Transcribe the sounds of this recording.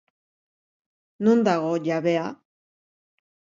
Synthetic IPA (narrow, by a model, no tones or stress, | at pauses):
nund̪aɣoʎaβea